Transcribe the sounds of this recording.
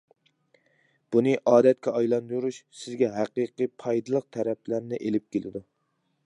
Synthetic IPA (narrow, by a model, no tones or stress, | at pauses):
b̥unɨʔɑːd̪ɛt̪̚kʲʰɛɑjlˠɑnd̪uɾuʃsɪzɡʲɛɦæqiqɨpʰɑjd̪ɨlˠəq̚t̪ʰæɾɛplæɾnɪʔelɪp̚kʲelɪ̰d̪u